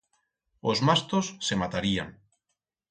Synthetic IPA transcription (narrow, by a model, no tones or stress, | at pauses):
ozmast̪osːemat̪aɾia̰ŋ